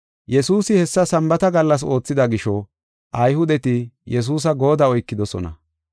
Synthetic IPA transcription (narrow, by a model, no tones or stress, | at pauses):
jɛsuːsɪhɛsːɐsɐmbɐt̪ɐɡɐlːɐs̬o̞ːt͡sːɪd̪ɐɡɪʃɔ | ʔɐjhʊd̪ɛt̪ɪjɛs̬uːs̬ɐɡo̞ːd̪ɐɔjkːɪd̪ɔsɔ̰nɐ̰